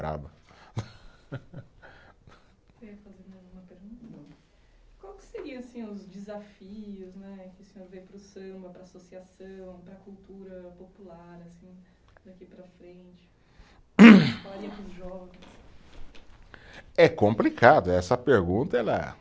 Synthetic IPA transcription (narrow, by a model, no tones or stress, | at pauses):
bɾa̰bɐ | iɐfazeɾɐũmɐpeɾɡũt̪ɐ | kwawkɪ̥seɾiɐ̃asĩʊzd͡ʒɪzafiʊznɛkɪʊsẽoɾvejpɾʊsɐ̃mbɐpɾaːsosiasɐ̃w̃pɾɐkuwt̪uɾɐpopulaɾasĩ | d̪akipɾɐfɾẽt͡ʃɪ̥ | faaɾiɐpɾʊzʒɔɡʊs | ɛkõmplikad̪ʊɛsɐpeɾɡũt̪ɐɛlɐ̰